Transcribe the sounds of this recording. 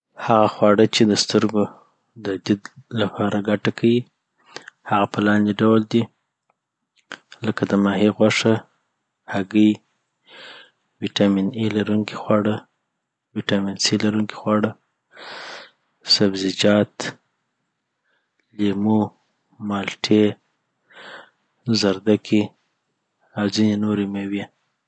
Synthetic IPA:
haɣaxwɑɽət͡ʃed̪əst̪əɾɡo | d̪əd̪ɪd̪lapʰɑɾaɡaʈakʰawi | haɣapəlɑnd̪eɖawld̪i | ləkad̪əmɑɦiɣwaʂə | haɡəj | wiʈɑminilaɾuŋki̥xwɑɽə | wiʈɑminsilaɾuŋki̥xwɑɽə | sabzid͡ʒɑt̪ | lemu | mɑlʈʰe | zaɾd̪akʰi | awzinenoɾemewe

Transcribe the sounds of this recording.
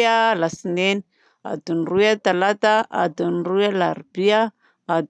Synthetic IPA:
alasineni̥ | a̰d̪unrujat̪alat̪aa̰d̪unrujalaɾbia | ad̪

